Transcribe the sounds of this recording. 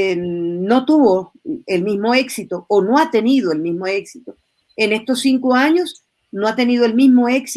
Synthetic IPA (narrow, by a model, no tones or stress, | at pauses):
no̞t̪uβo | elmizmo̞e̞ksit̪oːnoat̪e̞niðoelmizmoeksit̪o | ene̞st̪osːiŋkoaɲo̞s | noat̪e̞niðoelmizmo̞e̞ks